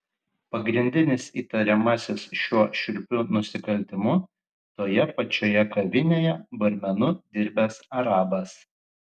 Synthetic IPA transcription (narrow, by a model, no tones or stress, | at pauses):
pɐɡɾʲɪnʲd̪ʲɪnʲɪsiːt̪ɐɾʲɛmɐsʲɪsʃʲuɔʃʲɪlʲpʲunʊsʲɪkɐlʲt̪ʲɪmʊ | t̪oːjɛpɐt͡ʃʲoːjɛkɐʋʲɪnʲeːjɛbɐɾʲmʲɛnʊd̪ʲɪɾʲbʲɛsɐɾɑːbɐs